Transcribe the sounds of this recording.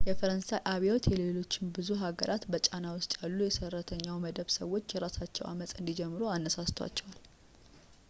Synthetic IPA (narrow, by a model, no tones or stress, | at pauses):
jɛfəɾənsajʔaβiot̪jɛlelo̞t͡ʃːɪnbɨzuɦaɡəɾʔat̪bət͡ʃʼanawʊst̪ʼjalːujɛsərːət̪ʰəɲːawməd̪əβsə̰wo̞t͡ʃːjɛɾasat͡ʃːɛ̰wa̰mət̪ʼɨnd̪id͡ʒɛmːɨɾoanːəsast̪ʰoa̰t͡ʃːɛwal